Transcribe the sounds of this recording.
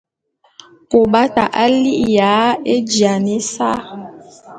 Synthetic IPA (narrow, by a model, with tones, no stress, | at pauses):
ko˨ɓa˦ta̰˨ʔa˦li˦ʔja˨˦e˦d͡ʒja˨ne˦sa˦